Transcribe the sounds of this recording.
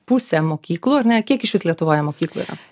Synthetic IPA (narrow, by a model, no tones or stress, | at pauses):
pʊsʲɛmoːkʲiːklˠuɐɾnʲɛkʲiɛkɪʃʲʋʲɪslʲiɛt̪ʊʋoːjɛmoːkʲiːklˠʊɪɾɐ̰